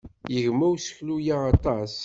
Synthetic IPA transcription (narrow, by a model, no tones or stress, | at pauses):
jəʝmæwsə̥çlujaːt̪ˤɑs